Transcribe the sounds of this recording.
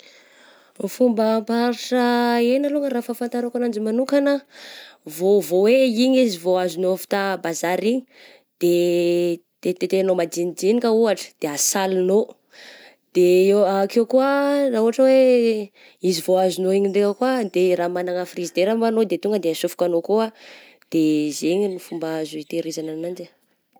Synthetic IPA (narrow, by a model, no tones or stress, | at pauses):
fumbəːmpaɾiʈ͡ʂəenəluŋəraːfafant̪aɾakanand͡ʒimanukanə | vovoweiɲizivoazunofi̥t̪abazaɾiɲi | d̪̥e | t̪et̪et̪eanomad͡ʒinid͡ʒinikʲəuaʈ͡ʂə̥d̪̥easalino | d̪̥eeakekuənauaʈ͡ʂəwe | izivoazunoiɲiɳɖ͡ʐeŋəkwad̪eɾamanaŋəfrizid̪eɾambanod̪et̪uŋɡəd̪easufu̥kʲanokoa | d̪̥ezeɲinifumbaazuit̪eɾezananand͡ʒa